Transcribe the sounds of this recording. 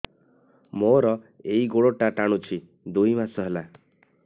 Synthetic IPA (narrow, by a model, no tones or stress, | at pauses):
moɾɔ | eiɡoɽoʈaʈaɽ̃ut͡ʃʰi | d̪ujmasɔɦela